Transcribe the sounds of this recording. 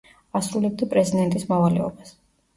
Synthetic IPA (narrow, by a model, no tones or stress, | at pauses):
asɾulɛb̚d̪apʼɾɛzid̪ɛnt̪ʼismavalɛ̰ɔbas